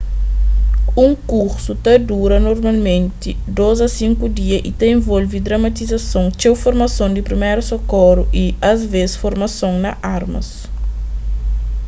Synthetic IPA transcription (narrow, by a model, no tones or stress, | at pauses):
ũŋkuɾsut̪ɐd̪uɾɐnoɾmɐlmẽnt̪i | d̪ozɐsĩŋkud̪iɐʔit̪ẽẽvolvid̪ɾɐmɐt̪izɐsõŋt͡ʃewfoɾmɐsõŋd̪ipɾimeɾusokɔɾuʔiɐzvesfoɾmɐsõŋnɐʔaɾmɐ̰s